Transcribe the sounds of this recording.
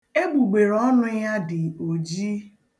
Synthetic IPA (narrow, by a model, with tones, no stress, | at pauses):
e˦ɡ͡bu˨ɡ͡be˨ɾɔ˦nʊ˦ja˦dɪ˨o˨d͡ʒi˦